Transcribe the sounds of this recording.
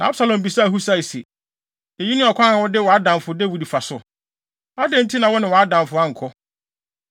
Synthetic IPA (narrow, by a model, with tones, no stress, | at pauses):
nã˨a˦bsa˨lɔ̃˨m˨bi˨sa˦˨ɦu˦sa˦˨i˨sḛ˨ | e˨ji˦nɪ̃˦ɔ˨kʰʷã˦ã˨wɔ˦dɪ˦wɔ˨a˦dã˨m˨fʊ˨de˦wi˨dfa˨sʊ˨ | a˦dɛ̃˦n̩˦tʰi˦nã˨wɔ˦nɪ̃˨wɔ˨a˦dã˨mfʊ˨a˦ŋ̩˨kʰɔ˦